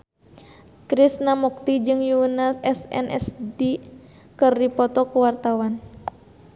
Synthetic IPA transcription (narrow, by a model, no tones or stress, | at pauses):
kɾisnamɔk̚t̪id͡ʒɨŋjuunaɛsɛ̰nʔɛ̰sdi | kɨrdipɔt̪ɔkuwart̪awan